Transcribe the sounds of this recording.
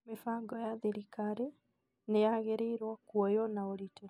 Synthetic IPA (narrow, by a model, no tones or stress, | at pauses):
mefaɡɔjaðeɾikaɾe | nejaɣeɾeːɾwakuɔjɔnaoɾiteɾ